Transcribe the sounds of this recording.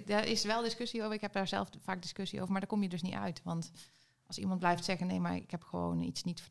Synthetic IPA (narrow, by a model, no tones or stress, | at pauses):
dərɪsʋɛlˠdɪskøsiowvəɹɪkɦɛp̚daːɹzɛ̰lˠffaːk̚dɪskøsiʔo̰wvəɹmaɹdaɹkomjədɵsnitœ̰ɥtʋɑnt | ʔɑlˠsimɑnt̚blɛjftsɛɣənːejma̰ɹɪ̰kɦɛpxəʋo̰wnḭtsnitfə